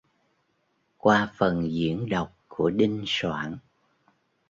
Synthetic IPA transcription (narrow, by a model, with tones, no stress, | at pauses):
kwaː˧fə˨˩nzḭ˧˥ənɗə˨˩wk͡p̚ku˧˩əɗi˧ŋswa̰ː˧˩n